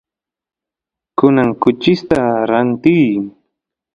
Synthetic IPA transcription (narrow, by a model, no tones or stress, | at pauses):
kʊnaŋkʊt͡ʃɪst̪aɾant̪ij